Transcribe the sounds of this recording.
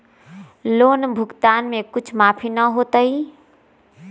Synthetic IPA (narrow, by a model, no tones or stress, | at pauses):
loːnbʱʊɡt̪aːnmẽkʊt͡ʃʰmaːpʰinəɦot̪əi